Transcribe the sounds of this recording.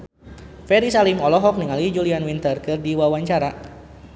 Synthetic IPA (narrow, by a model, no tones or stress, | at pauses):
fɛɾisalimɔlɔɦɔk̚niŋalid͡ʒulianwint̪ərkɨrdiwawaɲt͡ʃaɾa